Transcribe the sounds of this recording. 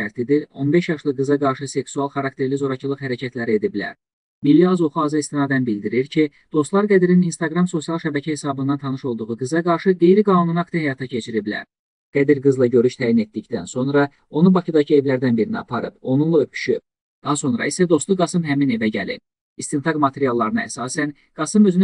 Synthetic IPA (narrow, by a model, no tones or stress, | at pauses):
æɾt̪ʰid̪io̞nbe̞ʃjɑʃlˠɯɡɯzɑɡɑɾʃɯse̞ksuɑlˠχɑɾɑkt̪ʰe̞ɾlizo̞ɾɑcʰɯlˠɯχhæɾæcʰæt̪læɾie̞d̪iblæ̰ɾ | milːiɑzo̞χuɑːzɑist̪inɑːd̪ænbild̪iɾiɾcʰi | d̪̥o̞st̪lˠɑɾɡæd̪iɾininst̪ɑɡɾɑmso̞sijɑlˠʃæbæcʰæhe̞sɑːbɯnd̪ɑnt̪ʰɑnɯʃo̞lˠd̪uʁuɡɯzɑɡɑɾʃɯɡe̞jɾiɡɑːnununɑkt̪ihæjɑt̪ʰɑcʰe̞t͡ʃʰiɾiblæ̰ɾ | ɡ̥æd̪iɾɡɯzlˠɑɟø̞ɾyʃt̪ʰæːjine̞t̪̚d̪icd̪ænso̞nɾɑ | o̞nubɑcʰid̪ɑcʰie̞vlæɾd̪ænbiɾiniɑ̰pʰɑɾɯbo̞nunlˠɑøpʰy̥ʃyp̚ | d̪̥ɑso̞nɾɑ̰isæd̪o̞st̪ˠuɡɑsɯmɦæmine̞væɟæ̰lḭp | ist̪int̪ʰɑkmɑt̪ʰe̞ɾijɑlˠːɑɾɯnɑæ̰sɑːsæn | ɡ̥ɑsɯmø̞zyny